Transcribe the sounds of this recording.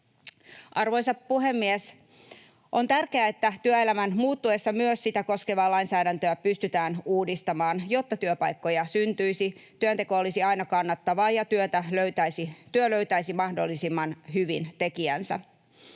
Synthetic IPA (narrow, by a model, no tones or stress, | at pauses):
ʔɑrʋo̞jsɑppuɦe̞mːies | ʔo̞nt̪ærke̞æet̪ːæt̪yøelæmænmuːt̪ːue̞sːɑmyøssit̪æko̞ske̞ʋɑːlɑjnsæːɾænt̪øæpyst̪yt̪æːnuːdist̪ɑmɑːnjo̞t̪ːɑt̪yøpɑjkːo̞jɑsynt̪yjsit̪yønt̪e̞ko̞olisiɑjnɑkɑnːɑt̪ːɑʋɑːjɑt̪yøt̪æløyt̪æsit̪yøløɥt̪æisimɑhdo̞̰lːisimːɑnɦyʋint̪e̞kiænsæ̰